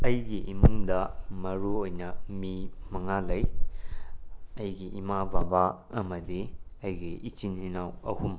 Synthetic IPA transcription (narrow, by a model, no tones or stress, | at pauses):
ɐjɡiʔimuŋdɐmɐɾuojnɐmimɐŋalɐj | ɐjɡiʔimababa | ɐmɐdiɐjɡiit͡ʃininawɐ̰hum